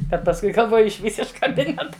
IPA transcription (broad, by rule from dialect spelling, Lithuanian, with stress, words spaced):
bʲɛt pɐsˈkʊɪ ɡɐlˠˈʋoːjʊ ɪʃʲˈʋʲiːs ɪʃ kɐˈbʲɪnʲɛtɐ